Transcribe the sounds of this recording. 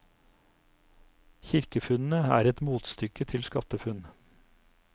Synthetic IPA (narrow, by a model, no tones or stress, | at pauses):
çɪɾkəfʉnn̩əæ̰ːɾɛt̪muːt̪st̪ʏkət̪ʰɪlskɑt̪əfʉn